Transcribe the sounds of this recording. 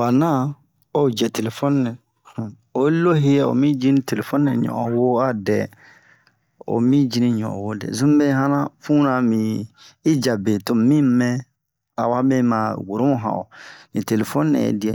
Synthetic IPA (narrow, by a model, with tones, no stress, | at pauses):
wa˨nã˦ | o˦˨d͡ʒɛ˨te˨le˨fɔ˦n˦nɛ̃˨ | o˨˦lo˦ɦe˦˨o̰˨mĩ˦d͡ʒĩ˦ni˦te˨le˨fo˦nː˦ɛ̃˨ɲɔ̰̃˨ʔɔ̃˨wo˦a˦dɛ̰˨ | o̰˨mĩ˦d͡ʒi˦nĩ˦ɲɔ̰̃˨wo˦dɛ̰˨zũ˦m˦be˦ɦã˦nã˦fũ˦nã˨mĩ˨i˦d͡ʒa˨be˨to˦mĩ˦mɛ̃˦ | a̰˨wa˦bɛ˦ma˨wo˨ɾo˦mu˦ɦã̰˨o̰˨nĩ˨te˨le˨fo˦nː˦ɛ̰̃˨jḛ˨di˨ɛ˨